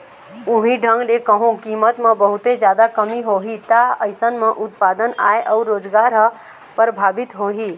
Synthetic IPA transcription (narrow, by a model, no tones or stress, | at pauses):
uɦĩɖʱə̃ŋɡlekəɦũkimət̪mẽbəɦut̪ed͡ʒjad̪akəmiɦoɦit̪aəɪsənmẽʔʊt̪̚paːd̪əna̰ːeʔɔuɾːoːd͡ʒɡaɾɦ | pəɾbʱaːbit̪ɦoɦi